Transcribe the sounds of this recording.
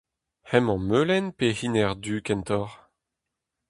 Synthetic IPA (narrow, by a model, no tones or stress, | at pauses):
hɛmɑ̃mølɛnpehinɛʁd̪yːkɛnt̪ɔʁ